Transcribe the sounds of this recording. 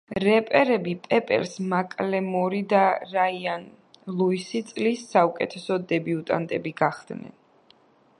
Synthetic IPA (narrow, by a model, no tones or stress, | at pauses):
ɾɛpʼɛɾɛbipʼɛpʼɛ̰ɾsmakʼlɛmɔɾid̪aɾaian | lˠuisit̪sʼlisːaukʼɛ̰t̪ʰɛsɔd̪ɛbiut̪ʼa̰nt̪ʼɛbiɡaχd̪nɛ̰n